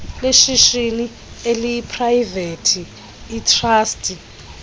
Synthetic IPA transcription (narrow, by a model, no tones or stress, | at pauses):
leʃiʃini | elipʰrajvetʰiː | tʰraːstʰʼi